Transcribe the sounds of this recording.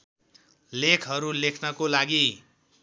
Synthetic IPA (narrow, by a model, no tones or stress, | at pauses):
lekʰɦʌɾulekʰnʌkolaɡi